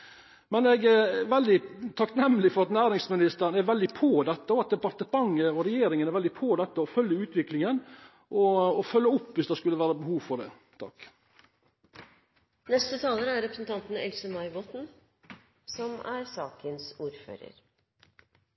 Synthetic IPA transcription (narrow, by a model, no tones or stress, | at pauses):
mɛnɛɡɛʋɛld̪ɪt̪ʰɑknɛmlɪfɔɾɑt̪næːɾɪŋsmɪnɪst̪əɾənæʋɛld̪ɪpʰod̪ɛt̪ːəɔɑt̪̚d̪ɛpɑɾt̪əmɑŋəɔɾɛjeːɾɪŋənæɾʋɛld̪ɪpʰoːd̪ɛt̪ːəɔfœljəʉːt̪ʰʋɪklɪŋən | ʔɔːfœlːəʊpːʋɪsd̪ɛskʉlːəʋæːɾəbəhuːʋfɔɖ̪ɛ̰ː | t̪ʰɑ̰k | nɛst̪ət̪ʰɑːləɾəæɾɾɛpɾəsn̩t̪ʰɑnt̪n̩ɛ̰lsəmɑɪbɔt̪n̩ | sɔmæɾsɑːkənsuːɾfø̰ːɾə̰ɾ